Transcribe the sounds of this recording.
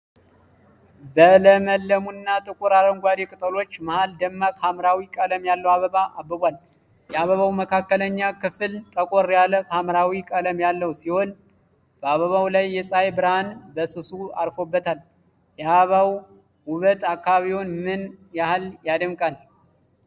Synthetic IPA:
bələməlːəmunːat̪ʼɨkʼuɾaɾəŋɡʷad̪ekʼɨt̪ʼəlo̞t͡ʃːmahald̪əmːakʼhamɾawikʼələmjalːəwaβəβaʔabːəβʷal | jɛaβəβawməkʰakːələɲːakɨfɨlt̪ʼəkʼoɾjaləfhamɾawikʼələmjalːəwsiho̞n | b̥əaβəβawlajːɛsʼajbɨɾhanbəsɨsua̰ɾfo̞bːət̪ʰal | jɛhaβaw | wʊβət̪akːaβaβiwonmɨnjahaljad̪əmkʼal

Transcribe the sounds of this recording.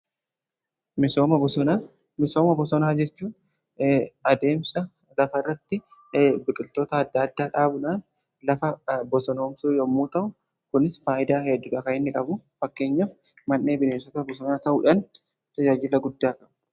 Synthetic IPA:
mɪsoːmɐbɔsɔna | mɪsoːmɐbɔsɔnaːd͡ʒɛt͡ʃːuː | ɐd̪e̞ːmsɐ | lɐfɐrːɐt̪ːɪbɪkʼɪlt̪o̞ːt̪ɐːd̪ːɐːd̪ːaːᶑaːbʊᶑaːn | lɐfɐbɔsɔno̞ːmsuːjɔmːuːt̪ɐʔʊ | kʊnɪsfaːʔɪd̪aːhɛd̪ːʊᶑɐkɐɪnːɪkʼɐbʊfɐkːe̞ːɲːɐfmɐnːe̞ːbɪneːsɔt̪ɐbɔsɔnaːt̪ɐʔuᶑɐn | t̪ɐd͡ʒaːd͡ʒɪlɐɡʊd̪ːaːkʼɐbʊ̥

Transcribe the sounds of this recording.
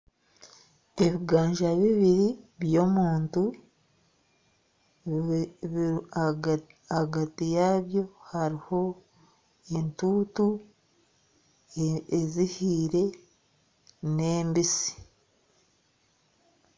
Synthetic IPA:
eβiɡaːɲʒaβiβiɾiβjomuːntu | aɡatijaβjo̞haɾiho̞ | entutu | ezihiːɾe̞ | neːmbisi̥

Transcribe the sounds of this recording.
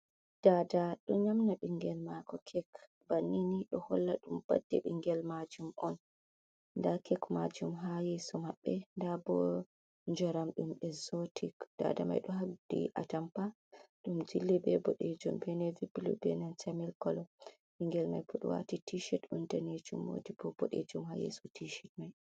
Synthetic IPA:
d̥adaɗɔɲamnaɓiŋɡɛlmakɔkʰɛk | banːiniɗɔhɔlːaɗumb̥a̰dːɛɓiŋɡɛlmad͡ʒumʔɔn | ndakɛkmad͡ʒumɦajɛsɔmaɓːɛndabɔ | nd͡ʒɔɾamɗumɛzɔtʰikd̥a̰dama̰jɗɔɦabdḭʔa̰tampa | ɗumd͡ʒilːibɛbɔɗed͡ʒumbɛnɛviblṵbɛnansamɛlkɔlɔ | ɓiŋɡɛlma̰jpuɗ̰wa̰titʰiʃɛtɗɔntaned͡ʒumwo̰dibɔbɔɗed͡ʒumhajḛsɔtʰiʃɛt̚maj

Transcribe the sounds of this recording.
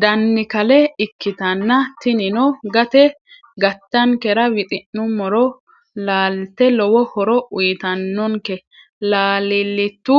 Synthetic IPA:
d̪ɐnːɪkɐlɛɪkːɪt̪ɐnːɐt̪ɪnɪnɔɡɐt̪ɛ | ɡɐt̪ːɐŋkɛɾɐwɪt̪ʼɪnːʊmɔɾɔ | laːlt̪ːɛlɔwɔhɔɾɔʔʊjt̪ɐnːɔŋkɛ | laːlɪlːɪt̪ːʊ

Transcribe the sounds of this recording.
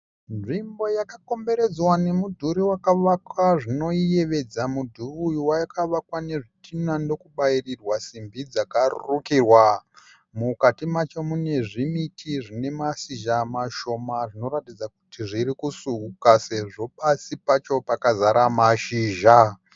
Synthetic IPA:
nʐimbo̞jakako̞mbe̞ɾe̞d͡zwane̞mudʱuɾiwakaʋakwaʐino̞ije̞ʋe̞d͡zamudʱuruwajakaʋakwane̞ʐitʰinando̞kuɓairirwasimbid͡zakarṵrukirwa | mukatimat͡ʃomune̞ʐimitʰiʐine̞masiʒamaʃo̞maʐino̞ɾatid͡zaku̥tiʐiɾikusuukase̞ʐo̞ɓasipat͡ʃo̞pakazaɾamaʃiːʒa

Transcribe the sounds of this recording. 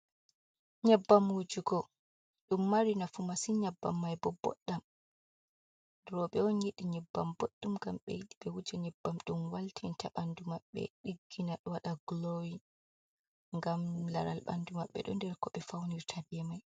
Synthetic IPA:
ɲɛbːamwud͡ʒuɡɔ | ɗumːaɾinafumasiɲabːa̰mːajbɔbɔ̰ɗːam | dɾɔɓɛɔnjiɗiɲɛbːamboɗːumɡamɓɛ̰jiɗiɓɛwud͡ʒɛɲɛbːamɗumwaltʰintʰaɓandumaɓːɛ̰ɗiɡːinaɗwaɗaɡlowi | ŋɡamlaɾa̰lɓa̰ndumaɓːɛ̰ɗɔ̰ndɛɾkɔɓɛfawniɾtʰabiɛmaj

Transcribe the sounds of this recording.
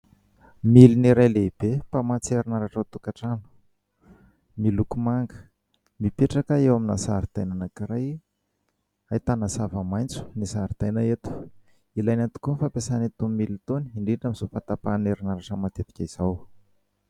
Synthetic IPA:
miliniɾajleib̥epamat͡seɾinaɾaʈ͡ʂat̪ukaʈ͡ʂanu̥ | milukumaŋɡə̥ | mipeʈ͡ʂakəewamina̰sa̰ɾid̪̥ajnanakiɾaj | ajt̪anəsavəmajnt͡su̥nisaɾid̪̥ajnaet̪u̥ | ilajnat̪u̥kunfampesanit̪umilit̪oniiɳɖ͡ʐiɳɖ͡ʐamizofat̪apaneɾinəɾaʈ͡ʂəmat̪efḁkʲaiz̥aw

